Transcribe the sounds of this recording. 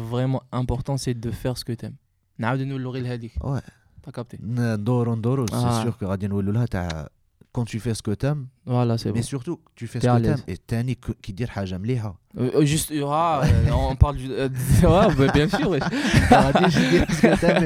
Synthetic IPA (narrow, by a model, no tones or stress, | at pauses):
vʁɛmɑ̃ɛ̃pɔʁt̪ɑ̃sɛd̪əfɛʁsə̥kət̪ɛm | nʕawd̪nwəlːuʁilɦɛd̪ikwɛ | t̪akap̚t̪ennd̪oɾund̪oɾusɛsyʁkəʁæd̪inwælːulhæt̪aʕ | kɑ̃t̪yfɛsə̥kət̪ɛmwalasemesyʁt̪ut̪yfɛsəlt̪ɛmḛt̪ænikkid̪iɾħaʒamliħaʒyst̪ã | paʁl | wɛbɛjɛ̃syʁwɛʁæd̪iʒid̪isəkət̪ɛm